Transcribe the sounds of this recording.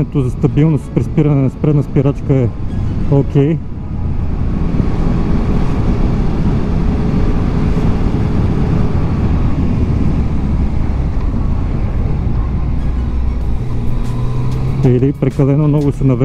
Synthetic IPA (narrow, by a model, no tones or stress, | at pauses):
ɛt̪ozɐst̪ɐbilˠnost̪pɾispiɾɐnɛnɐspɾɛd̪nəspiɾat͡ʃkəɛokʲɛj | ilipɾɛkɐlɛnomnɔɡʊsɛnɐv